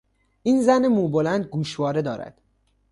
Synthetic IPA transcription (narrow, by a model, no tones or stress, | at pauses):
ʔiːnzænemuːbolænd̪̚ɡuːʃvɒːɾe̞d̪ɒːɾæ̰d̪̥